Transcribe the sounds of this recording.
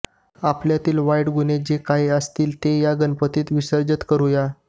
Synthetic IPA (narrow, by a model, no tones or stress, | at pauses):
apljat̪iːlʋaiɽɡuned͡ʑekajəst̪iːlt̪ejaɡənpət̪iːt̪ʋisəɾd͡ʑət̪kəɾuja